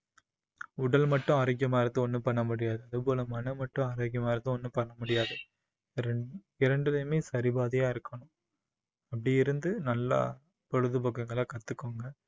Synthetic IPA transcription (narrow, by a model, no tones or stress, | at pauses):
ʊɽɐlmɐʈːʊ̃ɐɾɐk̬ːjɐmaːɾɐt̪ːɯ̃ɔnːɯpɐɳːɐmʊɽɪjaːðɯɐðɯp̬oːlɐmɐnɐmɐʈːʊ̃ɐɾak̬ɪjɐmaːɪɾɐt̪ːɯ̃ɔnːɯpɐɳːɐmʊɽɪjaːðɯ | ɪɾɐɳɖɯlɐjmeːsɐɾɪbaːðɪjaːɪɾɯkːɐɳʊ̃ | ɐp̬ːɐɽɪjɪɾɯnd̪ɯnɐlːa̰ | pɔɻɯðɯpɐk̬ːɐŋɡɐɭaːkɐt̪ːɯkːoːŋɡɐ